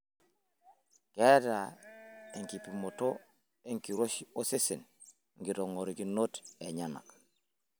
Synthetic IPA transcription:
keda | eŋkipimoto | eŋkiɾoʃiosesḛn | ŋɡiɾoŋoɾɡinoteɲana̰k

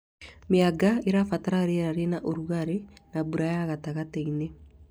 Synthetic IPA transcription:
meaɡaeɾafataɾaɾeɾaɾenaʔoɾuɣaɾenaβuɾajaɣataɣateine

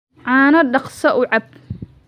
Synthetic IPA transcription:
ʕɑːnɐɖɑqsɐʔʊʕɑb̚

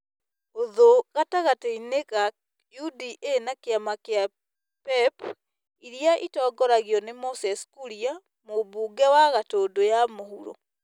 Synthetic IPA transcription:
oðoɣataɣateineɣa | judiʔenakeamakea | pɛp | iɾjaʔitɔːɡɔɾaɣiɔnemosɛskuɾia | moβuːɡɛwaɣatoːdojamohuɾɔ̰

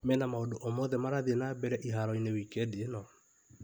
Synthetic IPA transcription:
mɛnamaodoʔomoðɛmaɾaðienabɛɾɛʔiɦaɾɔinewikɛdienɔ

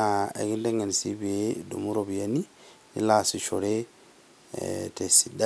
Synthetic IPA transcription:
aɛ̰ɡindɛŋɡansibiedṵmuɾobijani | nḭlasit͡ʃɔɾɛ | tɛsida

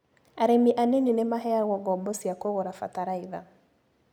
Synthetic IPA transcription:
aɾemiʔaneninemaɦɛaɾɣɔɡɔbɔsiakoɣoɾafa̰taɾaiða̰

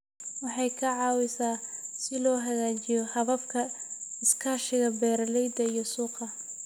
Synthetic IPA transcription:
wɑħɑjkʰɐʕɑːwɪsaːsɪlɔːɦɐɣaːt͡ʃɪjɔhɐβɐbkʰɐɪskʰaːʃɪɣɐbɛːɾɐlɛjd̪ɐijɔsuːqɐ

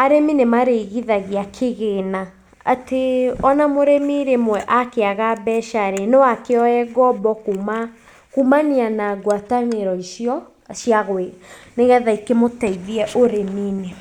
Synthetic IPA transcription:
aɾeminemaɾeɣiðaɣiakʰeɣena | ateɔnamoɾemiɾemwɛʔakeaɣabɛʃaɾenewakeɔɛɡɔbɔkuma | kumanianaɡwataneɾɔiʃjɔ | ʃjaɣweneɣɛðaikemotaiðiɛʔoɾemine

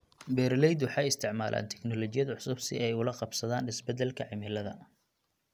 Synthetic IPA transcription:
bɛɾlɛjd̪wɑħɑːjɪst̪ʰɪʕmaːlʔa̰ːnt̪ʰɛ̥knɔlɔt͡ʃɪjɐðɐʕʊsʊbsɪ̰ʔɛjʊlɐqɑbsɐðaːnɪsbɛd̪ɛlkʰɐʕɪmɪlɐðɐ̰

